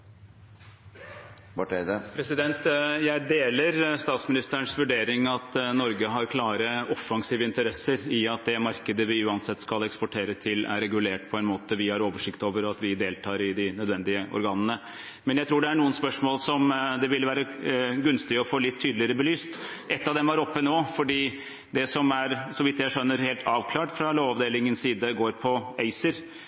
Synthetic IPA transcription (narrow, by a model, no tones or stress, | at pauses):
bɑʈɛɪd̪əpʰɾɛsɪd̪ɛnt̪jæɪd̪eːləɾst̪ɑːt̪smɪnɪst̪ɾəɳsʋʉɖeːɾɪŋɑt̪nɔɾɡəɦɑɾkʰlɑːɾəɔfːɑŋsiːʋəɪnt̪əɾɛsːəɾɪɑt̪̚d̪ɛmɑɾkəd̪əʋɪʉːɑnsɛt̪ːskɑlɛkspɔʈʰeːɾət̪ʰɪlæ̰ɾɛɡʉleːʈpʰɔɛnmoːt̪əʋɪhɑɾoːʋəʂɪkt̪oːʋəɾɔɑt̪ʋɪd̪eːlt̪ʰɑːɾɪd̪ɪnœd̪ʋɛnd̪ɪəʔɔ̰ɾɡɑːnənə | mɛnjæɪt̪ʰɾuːɖɛæɳuːənspœʂmoːlsɔmd̪ɛʋɪlʋæːɾəɡʉnst̪ɪɔfoːlɪt̪ʰːyːd̪lɪəɾəbəlyːst̪ | ʔɛt̪ːɑʋd̪ɛmæɾɔpːənoːfɔɖiː | d̪ɛsɔmæɾsɔʋɪt̪jæɪʂœnːəɾheːlt̪ʰɑːʋkʰlɑːʈfɾɑloːʋɑʋd̪eːlɪŋənsiːd̪əɡoːɾpʰɔæɪsəɾ